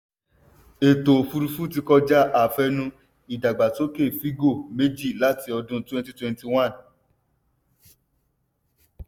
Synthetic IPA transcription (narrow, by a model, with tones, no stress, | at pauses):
e˨to˨fu˧ɾu˧fu˦ti˧kɔ˧d͡ʒa˦ʔa˨fɛ˧nũ˧ | i˨da˨ɡ͡ba˨to˦ke˦˨fi˦ɡo˦˨me˦d͡ʒi˦˨la˦ti˧˦ɔ˧dũ˦twɛ̃˦n˦ti˦twɛ̃˧nti˧w̃ã˦˨n